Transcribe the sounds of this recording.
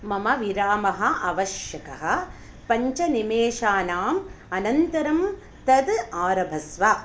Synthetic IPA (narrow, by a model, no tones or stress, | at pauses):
mɐmɐʋiɾaːmɐɦɐ̆ʔɐʋɐʃjɐkɐɦɐ̆ | pɐɲt͡ʃɐnimeːʃaːnaːmɐnɐnt̪ɐɾɐm | t̪ɐd̪aːɾɐbʱɐsʋa